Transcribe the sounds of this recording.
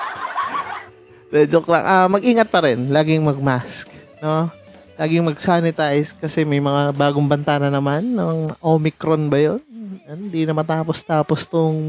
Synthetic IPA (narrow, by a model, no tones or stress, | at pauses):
mɛːd͡ʒokɾɐ̰ŋʔamɐɡʔiːŋɐt̪̚pɐɾɛnlaːɡɪŋmɐɡ̚mask̚no̞ | laːɡɪŋmɐɡ̚saːnɪt̪ajskɐsɛmɐjmɐŋabaːɡʊŋbɐnt̪anɐnɐmanːɐŋʔomɪkɾonbɐjonɐɪnd̪inɐmɐt̪aːpost̪aːpost̪ʊŋ